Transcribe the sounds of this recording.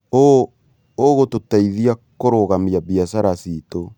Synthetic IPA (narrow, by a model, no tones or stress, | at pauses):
o | oɣototaiðiakoɾoɣamiaβiasaɾasito